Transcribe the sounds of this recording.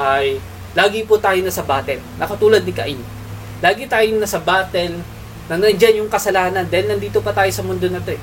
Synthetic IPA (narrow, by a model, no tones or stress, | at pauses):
aj | laːɡɪpʊt̪aːjonɐsɐbaːt̪ɛlnʔɐkɐt̪uːlɐd̪̚nɪkɐ̰ʔɪn | laːɡɪt̪aːjonɐsɐbaːt̪ɛl | nɐnɐnd͡ʒanjʊŋkɐsɐlaːnɐnd̪ahɪnːɐnd̪iːt̪o̞pɐt̪aːjo̞sɐmʊnd̪o̞nɐt̪o̞ɛ